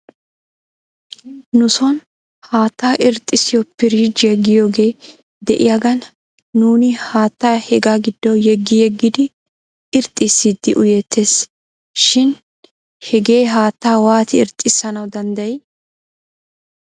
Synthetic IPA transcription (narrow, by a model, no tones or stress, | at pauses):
nʊsɔn | haːt̪ːaːʔɪɾt̪ʼːɪsɪjɔpɪɾiːd͡ʒɛɡɪjoːɡe̞ː | d̪ɛʔɪjaɡɐnː | uːnɪhaːt̪ːaːhɛɡaːɡɪd̪ːɔjɛɡːɪjɛɡːɪd̪ɪ | ɪɾt̪ʼːɪsːid̪ːɪʔʊjɛt̪ːeːs | ʃɪn | hɛɡe̞ːɦaːt̪ːaːwaːt̪ɪɪɾt̪ʼːɪsːɐnɐwd̪ɐnd̪ɐj